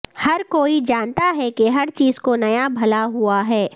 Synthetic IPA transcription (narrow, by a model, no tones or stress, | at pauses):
hɐɾkoːid͡ʒaːnt̪aɦɛkeɦɐɾt͡ʃiːzkonɐjabʱɐlaɦuaɦɛː